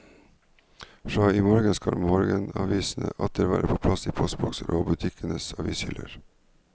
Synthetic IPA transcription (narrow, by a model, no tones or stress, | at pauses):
fɾɑːiːmɔɾɡənskɑlmɔɾɡənɑːʋiːsn̩əʔɑt̪̚d̪əɾʋæːɾʔəpʰoːpʰlɑsiːpʰɔst̪̚bɔksəɾʔoːbʉt̪ʰɪkʰənəsɑːʋiːshʏləɾ